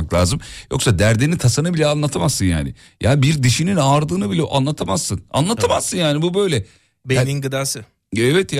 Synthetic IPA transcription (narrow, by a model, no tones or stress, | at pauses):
klʲˠa̰ːzɯmjo̞ksad̪æɾd̪e̞nit̪ʰasanɯbilʲɛanlˠat̪ʰamazːɯnja̰ːnɪ̰ | jʔa̰ːbiɾd̪iʃininaːɾd̪ɯːnɯbilʲɛʔa̰nlˠat̪ʰamaz̥sɯna̰nlˠat̪ʰamaz̥sɯnjaːnibubø̞jlʲɛ | beninɡɯd̪aːsɯ | ɛvɛt̪ja